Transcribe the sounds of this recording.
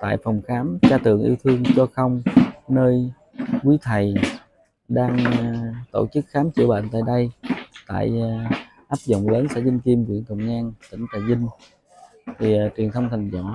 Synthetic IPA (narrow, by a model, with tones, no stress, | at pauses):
t̪a̰ː˧˨jfɔ˨˩wŋ͡mxaː˨˦mt͡ɕaː˧t̪ɨ̰˧˨əŋʔḭ˧wt̪ʰɨ˧əŋt͡ɕɔ˧xə˧wŋ͡mnəː˧j | kwi˨˦t̪ʰə˨˩j | ɗaː˧ŋt̪o̰˧˩t͡ɕɨ˦˥k̚xaː˨˦mt͡ɕɨ̰˧˩ɓa̰ː˧˨nt̪a̰ː˧˨jɗə˧jt̪a̰ː˧˨j | ʔaː˦˥p̚zo̰˧˨wŋ͡mləː˨˦nsa̰ː˧˥zï˧ŋ̟ki˧mvḭ˧˨ənt̪ə˨˧˩ŋ͡mɲaː˧ŋt̪ï˧˩ŋ̟k̪aː˧˩jzi˧ŋ̟ | t̪ʰi˨˩t͡ɕwi˨˩ənt̪ʰə˧wŋ͡mt̪ʰa˨˩ŋ̟za̰˧˨